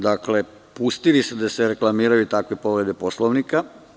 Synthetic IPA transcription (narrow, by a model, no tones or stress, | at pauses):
d̪akle | pust̪ilised̪aseɾeklˠamiːɾajut̪akʋepo̞ʋɾed̪eposlˠoʋnika